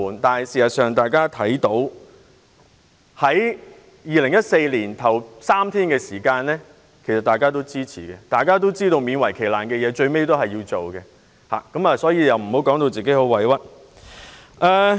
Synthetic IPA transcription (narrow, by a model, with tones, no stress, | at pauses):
uː˨˩nt̪aː˨n˨jsiː˨˩sɐ˨t̚sœː˨ŋt̪aː˨jkaː˥t̪ʰɐ˨˥jt̪o˨˥w | hɐ˨˥j | jiː˨lɪ˨˩ŋjɐ˥t̚se˧jliː˨˩nt̪ʰɐ˨˩wsaː˥mt̪ʰiː˥nkɛː˧siː˨˩kaː˧nlɛ˥ | kʰe˨˩sɐ˨t̪̚aː˨˩jkaː˥t̪o˥wt͡siː˥t͡sʰḭː˨˩kɛː˧t̪aː˨jkaː˥t̪̬o˥wt͡siː˥t̪o˧wmiː˨˧nwɐ˨˩jkʰe˨˩jlaː˨˩nkɛː˧jɛː˨˧t͡ʃɵ˧ɥme˥jt̪o˥wɦɐ˨jiː˧wt͡so˨wkɛ˧ | ha̰ː˨˩kɐ˨˥mɐː˨˧sɔː˨˥jiː˨˧jɐ˨wm̩˨˩ho˨˥wkɔː˨˥ŋt̪o˧t͡siː˨ke˨˥ho˨˥wɐ˨˥jwɐ˥t̚ | ʔɐː˨˧